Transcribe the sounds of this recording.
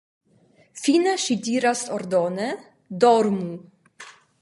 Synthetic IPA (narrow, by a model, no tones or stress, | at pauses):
finəʃid̪ʲiɾast̪ɔɾd̪ɔnɛ | d̪ɔɾmu